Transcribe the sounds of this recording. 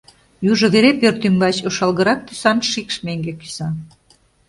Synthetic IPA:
juʒŏβeɾepørt̪ymbɑt͡ɕoʃɑlɣə̆ɾɑk̚t̪y̥sɑnʃikʃmeŋɡeki̥sɑ

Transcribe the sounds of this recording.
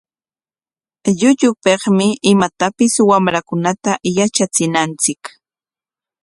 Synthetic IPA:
ʎʊʎʊpeχmɪʔɪmat̪apɪswamɾakʊnat̪ajat͡ʃat͡sɪnant͡sɪk

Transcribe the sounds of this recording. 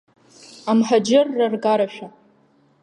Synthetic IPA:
amħad͡ʒɪrːarɡaɾaʃᶣa

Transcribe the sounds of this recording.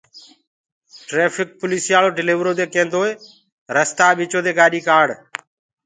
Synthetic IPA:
ʈɾeːpʰɪk̚pʊliːsijaːloːɖɪliːʋɾoːd̪eːkẽːnd̪oːeː | ɾəst̪aːɓɪːt͡ʃoːd̪eːɡaːɗiːkaːɖ

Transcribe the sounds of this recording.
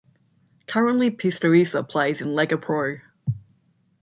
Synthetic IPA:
kʰʌɹə̃nʔlipʰɪstəɹisəpʰl̥eɪzɪ̃nlɛɡəpʰɹ̥ɔɹ

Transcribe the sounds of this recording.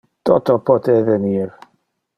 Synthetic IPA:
d̥ɔdɔbʰɔdɛðɛnir

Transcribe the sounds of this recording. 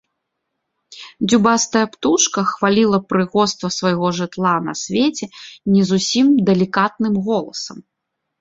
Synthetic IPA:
d͡zʲubast̪ɐjɐpt̪uʂkɐxvalʲilˠɐpɾɨɣɔst̪vɐsvɐjɣɔʐɨt̪lˠanɐ̰sʲvʲet͡sʲɛnʲɛzusʲimd̪ɛlʲikat̪̚nɨmɣɔlˠɐsɐm

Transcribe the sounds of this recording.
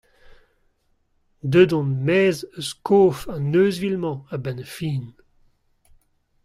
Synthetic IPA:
d̪ødɔ̃nmɛːzəskʰoːfãnøːzvilmɑ̃abɛnfiːn

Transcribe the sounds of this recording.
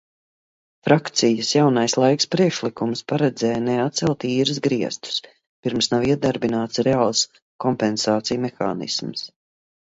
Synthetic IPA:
fɾakt̪sijəsjawnajslˠajkspɾiɛkʃlˠikumspaɾɛd̪zɛːjnɛat̪t̪sɛlˠt̪iːɾɨzɡɾiɛst̪u̥s | piɾmsnawiɛd̪aɾbinaːt̪sɾeaːlˠs | kɔmpɛnsaːt̪sijumexa̰ːnḭsms

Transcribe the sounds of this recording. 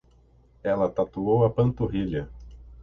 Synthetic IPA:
ɛlɐt̪at̪uowɐpɐ̃nt̪oɦiʎɐ

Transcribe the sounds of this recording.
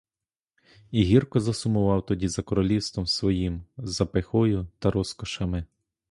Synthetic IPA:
iɦʲirkɔzɐsʊmʊʋɑwt̪ɔdʲizɐkɔɾɔlʲiwst̪ʋɔmsʋɔjimzɐpexɔjʊt̪ɐɾɔskɔʃɐmɪ

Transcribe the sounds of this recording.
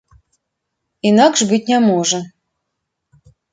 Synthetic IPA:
inakʂbɨt̚ʲnʲɛmɔʐə

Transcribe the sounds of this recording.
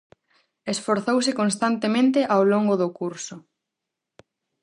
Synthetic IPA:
esfoɾθowsɪkonst̪ant̪emẽnt̪ɪʔawloŋɡʊðʊkuɾsʊ

